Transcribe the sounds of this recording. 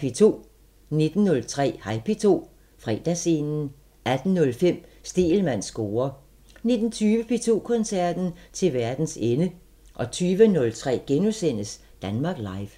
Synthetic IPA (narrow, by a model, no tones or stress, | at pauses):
pʰet͡sʰo̝̰ː | ne̝d̥n̩ːɔ̽lt͡sʰʁɛ̰ːhɑ̈ɪpʰe̝t͡sʰo̝̰ː | fʁɛ̰d̥æsenn̩ | ʔæd̥n̩nɔ̽lfem̰sd̥e̝̰ːlmæn̰sɡ̥o̝ːɐ | ne̝d̥n̩t͡sʰyːʋəpʰe̝t͡sʰo̝̰ːkʰɒ̽nsæɐ̰d̥n̩t͡sʰe̝lʋæɐd̥n̩senə | ʔɒ̽t͡sʰyːʋənɔ̽lt͡sʰʁɛ̰ːɡ̥enusen̰əs | d̥ænmɑ̈ːɡ̥lɑ̈ɪʋ